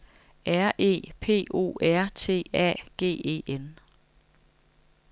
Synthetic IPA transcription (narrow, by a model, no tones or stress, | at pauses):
ʔæɐ̰ʔe̝̰ːpʰe̝̰ːo̝̰ːæɐ̰t͡sʰe̝̰ːɛ̰ːɡ̥e̝̰ːe̝̰ːen